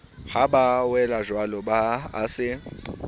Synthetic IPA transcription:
habawɛlaʒwalɔba̰ːsɪ

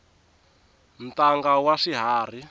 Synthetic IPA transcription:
m̩taŋɡawaʂiɦaːr̤i

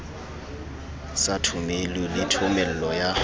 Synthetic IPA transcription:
satʰʊmelulɪtʰʊmɛl̩lɔja

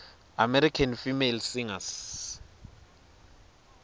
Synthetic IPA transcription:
amɛɾikʰanfimelsiŋas

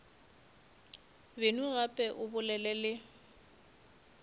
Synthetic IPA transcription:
benuɣapʼɛʔʊbʊlɛlɛlɪ

